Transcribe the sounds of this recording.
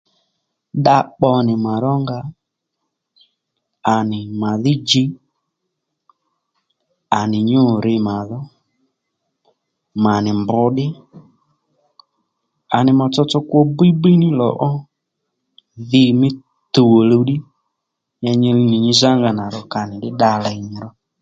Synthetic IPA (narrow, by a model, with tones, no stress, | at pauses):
ɗa˧k͡pɔ˧nɪ˨ma˨ɾɔ˦ŋɡa˧ | a˨nɪ˨ma˨ðɪ˦d͡ʒi˦ | a˨nɪ˨ɲʊ˦˨ɾɪ˧ma˨ðɔ˦ | ma˨nɪ˨mbʊ˧˦ɗɪ˦ | a˨nɪ˨mɔ˧t͡sɔ˧t͡sɔ˧kwɔ˧bi˦bi˦nɪ˦lɔ̰˨ʔɔ˦ | ðɪ˧˨mɪ˦ | t̪u˨wo˨lo˧ɗi˦ | ɲa˧ɲi˧ɾi˧ni˨ɲi˧za˦ŋɡa˨na˨ɾɔ˧ka˨nɪ˨ɗɪ˦ɗa˧lɛ˧˦ɲɪ˧ɾɔ˦